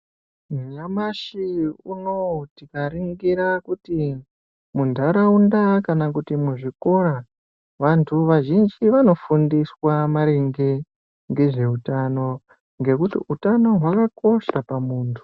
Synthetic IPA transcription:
muɲamaʃiuno̞tikariŋɡiɾakuti | mundʱaɾaundakanakutimuʐiko̞ɾa | ʋantʰuʋaʒind͡ʒiʋano̞fundiswamaɾeŋɡe̞ | ŋɡe̞ʐe̞utano̞ | ŋɡe̞kutḭʔutano̞ɦwakako̞ʃapamuːntʰu̥

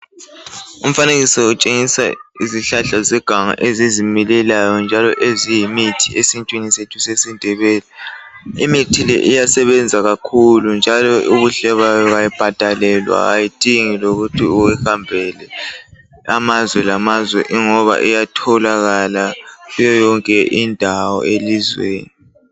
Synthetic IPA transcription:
um̩faneɣisɔut͡ʃʼeŋisa̰iziɬaɬazɛɡ̥ʱaŋa̰ʔezizimilɛlajɔnd͡ʒʱalɔʔezijimitʰi̥esint͡ʃʼwinisetʰusesindʱɛβɛːlɛimitʰilɛ̰ʔijasɛβɛnd͡zʱaɣakʰulund͡ʒʱalɔuɣuɬɛβajɔɣajib̥ʱad̥ʼʱalɛlwa̰ɣa̰jid̥ʼʱiŋiloɣutʰiuwɛhambʱɛlɛ | amazwɛlamazwɛ̰ʔiŋɔβa̰ʔijatʰɔlaɣalaɣujɔjɔŋkʼɛʔindʱawɔ̰elizwḛːni

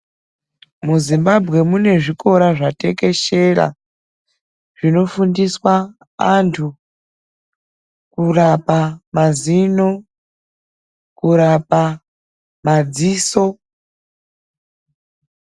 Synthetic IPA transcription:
muzimbabʱɣe̞mune̞ʐiko̞ɾaʐate̞ke̞ʃe̞ra̰ | ʐ̥ino̞fundiswa | antʰu | kurapamazino̞ | kuɾapa | mad͡ziːso̞

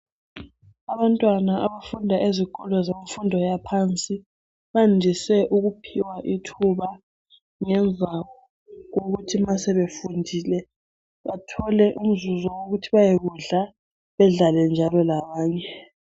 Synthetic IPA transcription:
aβantʼwanaʔaβafundʱaʔezikʼɔlɔzamifundʱɔjapʰant͡sʼi | βandʱisɛʔuɣupʰiwaʔitʰuβa | ŋɛnvʱawɔ | ɣoɣutʰimasɛβefundʱiːlɛ | βatʰɔlɛʔum̩zuzɔwoɣutʰiβajeɣuɮa | βɛɮalɛnd͡ʒʱalɔlaβaːɲɛ

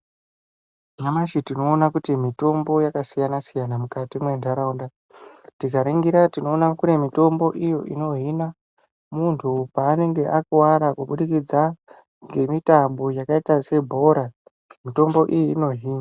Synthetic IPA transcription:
mamaʃitino̞ːnakutimito̞mbo̞jakasijanasijanamukatimwe̞ndʱaɾaunda | tikaɾiŋɡiɾatino̞ːnakune̞mito̞mbo̞ʔijo̞ʔino̞ɦina | muntʰupaːne̞ŋɡe̞ʔakuwaɾakuɓuɗikid͡za | ŋɡe̞mitambo̞jakaitase̞bʱo̞ɾa | mito̞mbo̞ʔijiːno̞ɦiːna

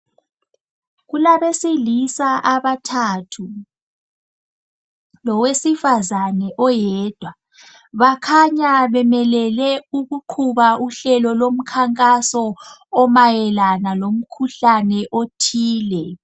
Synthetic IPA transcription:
ɣulaβesilisaʔaβatʰaːtʰu | lɔwesifazanɛʔɔjɛːd̥ʱwa | βakʰaɲaβɛmɛlɛlɛuɣuǃʰuβauɬɛlɔlom̩kʰaŋkʼasɔːmajɛlanalom̩kʰuɬanɛʔotʰiːlɛ

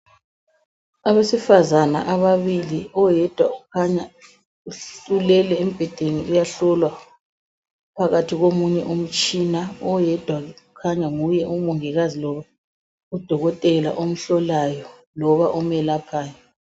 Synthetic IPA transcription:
aβesifazana̰ʔaβaβiliɔjɛd̥ʱwakʰaɲa | uɬulɛlɛem̩b̥ʱɛd̥ʱeniujaɬɔlwa | pʰaɣatʰiɣomuɲɛ̰ʔum̩t͡ʃʼinaɔjɛd̥ʱwaukʰaɲaŋujɛʔumuŋiɣazilɔβa | ud̥ʱɔɣɔtʼɛla̰ʔom̩ɬɔlajɔ | lɔβaʔumɛlapʰaːja

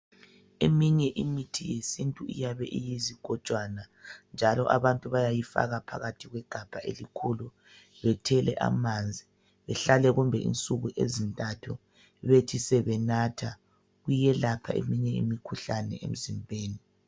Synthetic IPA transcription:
ḛmiɲɛʔimitʰijesintʼuḭjaβɛʔijiziɡ̥ʱɔ̥t͡ʃʼwanand͡ʒʱalɔʔaβantʼuβajajifa̰ɣapʰa̰ɣatʰiɣwɛɡ̥ʱab̥ʱaʔelikʰulu | βɛtʰɛlɛ̰ʔa̰mand͡zʱi | βɛɬalɛɣumbʱɛʔḭnt͡sʼuɣuʔezintʼatʰu | βetʰisɛβɛnatʰa | ɣujɛlapʰa̰ḛmiɲɛḭmikʰuɬanɛ̰ʔḛm̩zimbʱeːni

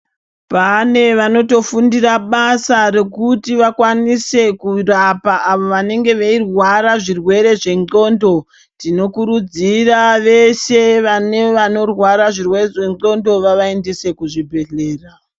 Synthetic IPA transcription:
pane̞ʋano̞to̞fundiraɓasare̞kutiʋakwanise̞kurapaaʋo̞ʋane̞ŋɡe̞ʋeirwaɾaʐirwe̞ɾe̞ʐe̞ŋɡo̞ndo̞ | tino̞kuɾud͡ziraʋe̞se̞ʋane̞ʋano̞rwaɾaʐirwe̞re̞ʐe̞ŋo̞ndo̞ʋaʋae̞ndese̞kuʐibʱe̞ɮe̞ːra

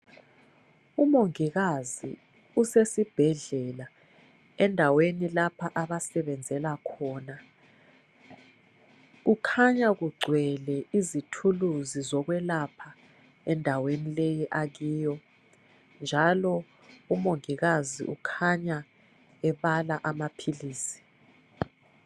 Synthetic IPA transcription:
umoŋiɣazḭ | usesib̥ʱɛɮɛla | ɛndʱawenilapʰaʔaβasɛβɛnd͡zʱɛlakʰɔːna | ukʰaɲaɣuɡ͡ǀʱwɛlɛizitʰuluzizɔɣwɛlapʰa | ɛndʱawenilejiʔaɣiːjɔ | nd͡ʒʱalɔ | umoŋiɣazḭʔukʰaɲa | ɛβalaʔamapʰiliːsi̥

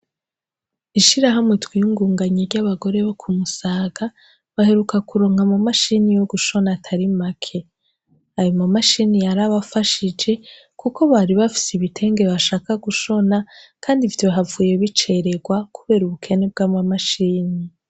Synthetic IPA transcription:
iʃiɾaɦamwitwiuŋɡuːŋɡaɲiɾɟaβaɡo̞ɾe̞βo̞kʰumusaːɡ̥a | βahe̞ɾukakuɾo̞ːŋhamamaʃinijoɡuʃo̞natʰaɾimakʰe̞ | ajomamaʃinijaɾaβafaʃid͡ʒe̞ | kuko̞βaɾiβafi̥siβitʰe̞ːŋɡe̞βaʃaːkaɡuʃo̞nakʰaːndivtoɦavuːjeβit͡ʃe̞ɾeɡwakʰuβe̞ːɾuβukʰe̞ne̞b̚ɡaːmamaʃiːni

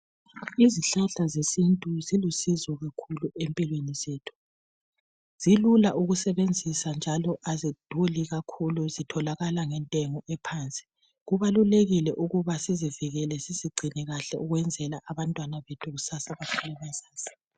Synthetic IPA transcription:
iziɬaɬazesintʼuzilusizɔɣakʰuluʔempʼilwenizeːtʰu̥ | z̥ilulaʔuɣusɛβend͡zʱisand͡ʒʱalɔʔazid̥ʱuliɣakʰuluzitʰɔlaɣalaŋɛntʼɛŋɔʔɛpʰaːnt͡sʼi̥ | ɣuβaluleɣilɛʔuɣuβasiziviɣɛlɛziziɡ͡ǀʱinɛɣaɬɛuɣwɛnd͡zʱɛlaʔaβantʼwanaβetʰuɣusasaβakʰulumɛsaːz̥ḁ

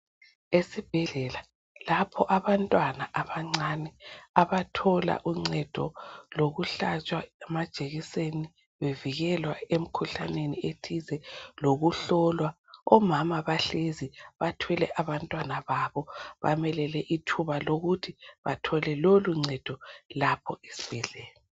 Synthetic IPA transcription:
esib̥ʱɛɮɛla | lapʰɔʔaβantʼwanaʔaβaŋ͡ǀaːnɛaβatʰɔla̰ʔuŋ͡ǀɛd̥ʱɔ̰loɣuɬat͡ʃʼwaɛmad̥ʒ̥ʼʱeɣiseni | βeviɣɛlwaem̩kʰuɬaneniʔetʰizɛloɣuɬɔlwaɔmamaβaɬeziβatʰwɛlɛ̰ʔaβantʼwanaβaβɔβa̰mɛlɛlɛʔitʰuβaloɣutʰiβatʰɔlɛloluŋ͡ǀɛd̥ʱɔlapʰɔesi̥βɛɮɛːjɔ

